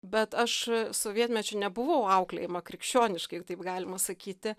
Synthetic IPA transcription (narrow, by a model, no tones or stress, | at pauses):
bʲɛt̪ɐʃsoːʋʲiɛt̪ʲmʲɛt͡ʃʲʊnʲɛbʊʋɐʊɐʊklʲɛ̰jɪmɐkɾʲɪkʃʲt͡ʃʲoːnʲɪʃkɐɪt̪ɐɪpɡɑːlʲɪmɐsɐkʲiːt̪ʲɪ